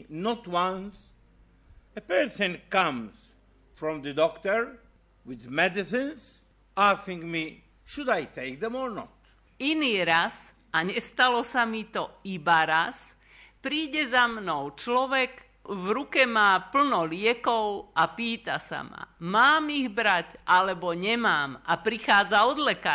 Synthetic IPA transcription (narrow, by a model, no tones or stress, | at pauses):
nɔt̪wãns | ɛpɛɹsɔ̃nkãms | fɾɔ̃md̪əd̪ɔkt̪əɾ | wiðmɛd̪isĩns | asĩŋɡmi | ʃud̪ajt̪ek̚d̪ɛ̃mɔɾnɔt̪ | iniːɾas | aɲɛst̪alɔsamit̪ɔibaɾas | pɾiːɟɛzamnɔʊt͡ʃlɔʋɛɡ | ʋɾukɛmaːpl̩nɔlɪɛkɔʊʔapiːt̪a̰sa̰ma̰maːmiɣbɾacʔalɛbɔɲɛmaːmapɾixaːd͡zaɔd̪lɛka